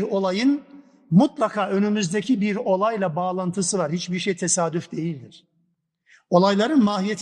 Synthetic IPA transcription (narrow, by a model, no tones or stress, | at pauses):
ɾo̞lˠajɯn | mut̪lˠakʰaːø̞nymyzd̪ecʰibiɾo̞lˠajlˠabaːlˠant̪ʰɯsɯvaɾhit͡ʃbiɾʃejt̪ʰe̞saːd̪yfd̪e̞jilʲd̪iɾ̥ | o̞lˠajlˠaɾɯnmaːɦijet̪ʰ